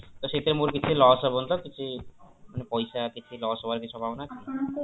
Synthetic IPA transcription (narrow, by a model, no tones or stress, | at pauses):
t̪oʃet̪eɾmuɾkit͡ɕʰulɔsɔbont̪okit͡ɕʰumanepɔjʃakit͡ɕʰulɔsɔbaɾkit͡ɕʰuɔbʱabonaka